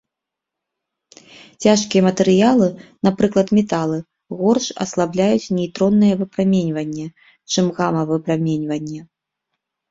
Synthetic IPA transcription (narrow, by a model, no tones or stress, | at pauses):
t͡sʲaʂkʲijɛmɐt̪ɛɾɨjalˠɨnapɾɨklˠɐt̪mʲɛt̪alˠɨ | ɣɔrʂɐ̰slˠablʲajut͡sʲnʲɛjt̪ɾɔnːɨjɛvɨpɾamʲenʲvɐnʲːɛ | t͡ʂɨmɣamɐvɨpɾamʲenʲvɐnʲːɛ